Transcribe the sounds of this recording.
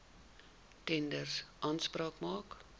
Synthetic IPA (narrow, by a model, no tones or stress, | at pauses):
tɛndərsʔɑːnsprɑːkmɑːk